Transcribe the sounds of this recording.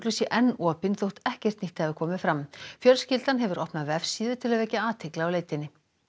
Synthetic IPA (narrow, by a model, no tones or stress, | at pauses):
klʏsjɛʔɛnːɔːpɪnθowht̪ɛhcɛr̥t̪niht̪hɛvɪɾkʰɔːmɪfɾamfjœlscɪlt̪anɦɛvʏɾɔhpnavɛfsiːðʏt̪ʰɪlaðvɛcaaːt̪ʰɪklawleːjt̪ɪnːɪ